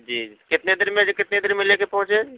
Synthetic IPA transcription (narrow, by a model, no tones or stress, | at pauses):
d͡ʒiːkɪt̪ned̪ɪɾmekɪt̪ned̪ɪɾmɪlekepɐɦʊ̃t͡ʃe